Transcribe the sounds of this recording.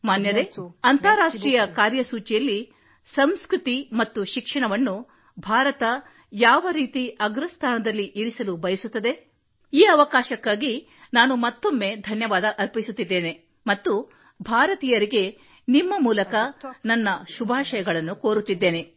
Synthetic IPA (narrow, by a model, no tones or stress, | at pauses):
maːnjɐd̪eɐnt̪ɐːɾaːʂʈɾiːjɐkaːɾjɐsuːt͡ʃijɐlːi | sɐmskɾut̪imɐt̪ːuʃikʂɐɳɐʋɐnːu | bʱaːɾɐt̪ɐ | jaːʋɐɾiːt̪iʔɐɡɾɐst̪ʰaːnɐd̪ɐlːiʔiɾisɐlubɐjɐsut̪ːɐd̪e̞ | iːɐʋɐkaːʃɐkːaːɡi | naːnumɐt̪ːomːe̞d̪ʱɐnjɐʋaːd̪ɐʔɐɾpisut̪ːid̪ːe̞ːne̞ | mɐt̪ːu | bʱaːɾɐt̪ijɐɾiɡe̞ | nimːɐmuːlɐkɐnɐnːɐʃubʱaːʃɐjɐɡɐɭɐnːukoːɾut̪ːid̪ːe̞ːne̞